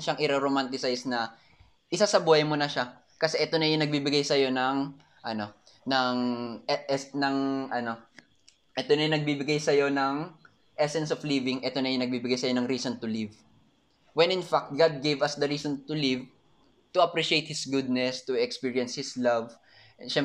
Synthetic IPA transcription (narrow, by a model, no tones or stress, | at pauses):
ʃɐŋʔɪɾɛɾomant̪ɪsajsnɐ | ʔɪsasɐbuːhɐjmonɐʃa | kɐsɛʔɛt̪o̞nɐjʊŋnɐɡ̚bibɪɡajsɐjo̞nɐŋ | ʔɐno̞ | nɐŋɛnɐŋʔɐno̞ | ʔɛt̪onɐjʊŋnɐɡ̚bibɪɡajsɐjo̞nɐŋ | ʔɛsɛnsoflivɪŋʔɛt̪onɐjʊŋnɐɡ̚bibɪɡajsɐjo̞nɐŋɾiːsont̪ʊliv | wɛnɪ̃nfak̚t̪̚ɡad̪̚ɡejvɐsd̪ɐɾiːsont̪ʊliv | t̪ʊɐpɾiʃejt̪̚hɪsɡʊd̪̚nɛst̪ʊɛkspiɹiɐnshɪslɐv | ʃɛm